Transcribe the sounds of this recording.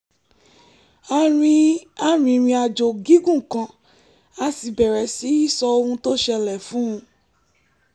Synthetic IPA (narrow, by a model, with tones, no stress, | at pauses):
a˧ɾ̃ĩ˧˦a˦ɾ̃ĩ˧ɾ̃ĩ˧a˧d͡ʒo˨ɡi˨˦ɡũ˦˨kã˧ | a˧˦si˨bɛ˨ɾɛ˨si˨˦i˦˨sɔ˧o˧hũ˧to˦ʃɛ˧lɛ˨fũ˨˦ũ˧